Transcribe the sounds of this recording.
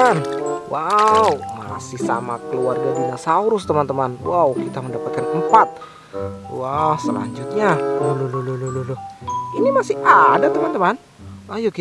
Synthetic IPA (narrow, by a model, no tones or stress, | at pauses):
nwʔauma̰sɪhsa̰makəluarɡabinasauɾʊst̪əmant̪əmanwaukit̪aməndapat̪̚kanəmpat̪̚ | wahsəla̰ɲd͡ʒʊt̪̚ɲaolulululululʊinimasɪhadat̪əmant̪əman | ʔajoki